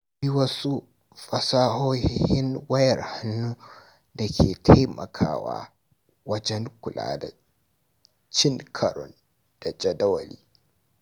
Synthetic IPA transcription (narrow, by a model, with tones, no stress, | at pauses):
bi˦wɐ˦su˦ | ɸɐ˨saː˦hoː˦hhɪ˦nwɐ˦jɐ˨rha˦nːu˦ | da˨kʲʰeː˨tʰa˦jmʔɐ̰˨kʰa̰ː˦wa̰ː˦ | wɐ˦d͡ʒɛ˦ŋkʷʊ˨lʔa̰ː˦da̰˨ | t͡ʃɪ˦ŋkʰɐ˨ɾɔ̰˨n | d̥a˨d͡ʒɐ˨dɐ˦wɐ˨lḭː˦